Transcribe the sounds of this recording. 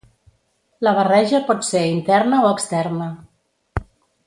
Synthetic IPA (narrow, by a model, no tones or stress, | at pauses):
ləβ̞ərɛʒəpɔt̪seint̪ɛrnəoəkst̪ɛrnə